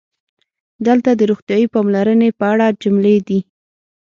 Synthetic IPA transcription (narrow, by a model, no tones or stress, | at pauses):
d̪əlt̪ad̪əɾoxt̪jɑipɑmlaɾənepəaɽad͡ʒʊmled̪i